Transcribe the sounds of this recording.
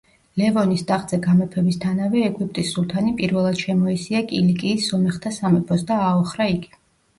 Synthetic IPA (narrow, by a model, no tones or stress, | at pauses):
lɛvɔnisd̪aχd̪z̥ɛɡamɛpʰɛbist̪ʰanavɛːɡwip̚ʼt̪ʼissulˠt̪ʰanipʼiɾvɛlˠad̪̥ʃɛmɔisiakʼilikʼiːsːɔmɛχt̪ʰasamɛpʰɔs̬d̪aːɔχɾaiɡi